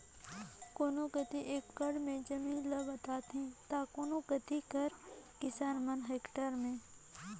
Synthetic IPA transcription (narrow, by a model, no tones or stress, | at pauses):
koːnõkət̪iʔeːkːəɽmẽd͡ʒəmĩːnləbət̪aːt̪ɦẽt̪aːkoːnõkət̪ikəɾkɪsaːnmənɦeːkʈəɾmẽː